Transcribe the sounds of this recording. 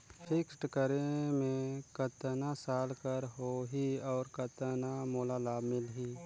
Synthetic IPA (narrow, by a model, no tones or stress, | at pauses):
pʰɪksʈkəɾẽmẽkət̪nasaːlkəɾɦoɦiɔːɾkət̪namoːlalaːbmɪlɦiː